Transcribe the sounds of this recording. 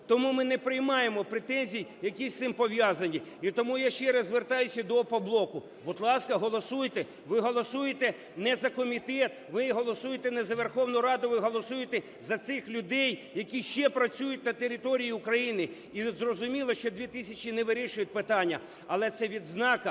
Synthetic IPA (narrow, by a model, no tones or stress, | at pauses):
t̪ɔmumɪnɛpɾɪjmɑjemɔpɾet̪ɛnʲzʲijjɐkʲisʲt̪ɪmpɔʋʲjɑzɐnʲiit̪ɔmujaʃt͡ʃɛɾɐzʋert̪ɑjʊsʲɐd̪ɔpɔblˠɔkʊ | bʊd̪lˠɑskɐɦɔlˠɔsujt̪ɛ | ʋɪɦɔlˠɔsujet̪ɛ | nɛzɐkɔmʲit̪ɛt̪̚ʋɪɦɔlˠɔsujet̪ɛnɛzɐʋerxɔwnʊjʊɾɑd̪ʊʋɪɦɔlˠɔsujet̪ɛ | zɐt̪sɪxlʲʊd̪ɛjjɐkʲiʃt͡ʃɛpɾɐt͡sʲujʊt̪̚ʲnɐt̪eɾʲɪt̪ɔɾʲijiʊkɾɐjinɪ | izrɔzʊmʲilˠɐʃt͡ʃɔd̪ʲʋʲit̪ɪsʲɐt͡ʃinɛʋɪɾʲiʃʊjʊt̚ʲpɪt̪ɑnʲːɐ | ɐlˠɛt̪sɛʋʲid̪znɑkɐ